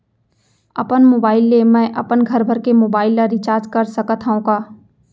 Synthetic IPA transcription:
ɐpənmoːbaːɪlːemɛ̃ːʔɐpənɡʱɐɾbʱəɾkemoːbaːɪlːaɾɪt͡ʃaːɾd͡ʒkɐɾsəkət̪ɦaũkaː

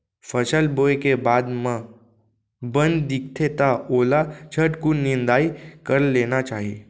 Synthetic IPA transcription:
fəʃəlboːjkebaːd̪mə̃ | bə̃nd̪ɪkt̪ʰet̪aoːlat͡ʃʰəʈkunɪnd̪aːikəɾleːnat͡ʃaːɦieː

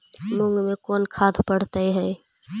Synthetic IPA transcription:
mʊ̃ŋɡmẽkɔːnkʰaːd̪ʱpəɽ̤t̪əeɦɛː

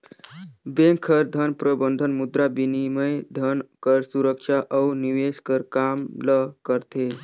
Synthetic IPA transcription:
bẽŋkʰːəɾd̪ʱənpɾəbənd̪ʱənmud̪ɾabiniməjd̪ʱənkəɾsuɾəkʃaʔəwniʋeskəɾkamləkəɾt̪ʰe

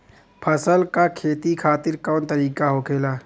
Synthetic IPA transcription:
pʰəsəlkakʰeːt̪ikʰaːt̪ɪɾkɔːnt̪ɐɾiːkaɦokʰeːlaː

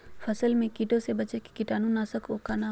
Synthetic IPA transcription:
fʰəsəlmẽkiʈõsebət͡ʃeki̥kɪʈaːnũnaːsəkoːkana

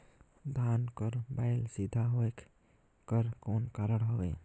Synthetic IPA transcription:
d̪ʱankəɾbaɪlsid̪ʱaɦoek | kəɾkonkaɾəɽɦoɡɛ̰

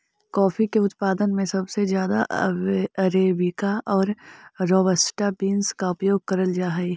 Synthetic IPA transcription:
kɔːfikeʊt̪paːd̪ənmẽsɐbsezjaːd̪a̰ʔɐɾeːbɪkaʔɔːɾːɔːbəsʈabiːnskaʊpjoːɡ̚kɐɾəld͡ʒaːɦɛi

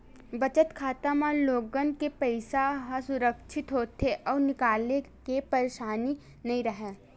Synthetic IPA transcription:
ʋɐt͡ʃət̪kʰaːt̪amãloːɡənkepɛɪsaɦasʊɾəkʃʰɪt̪ɦoːt̪ʰeʔɔːɾnɪkaːle | kepɐɾeːʃaːni | nɐɦĩɾɐɦẽː

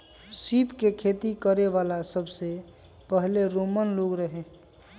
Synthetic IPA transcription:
sipkekʰet̪ikəɾeʋalasəbʱse | pəɦleɾomənloɡɾəɦẽ

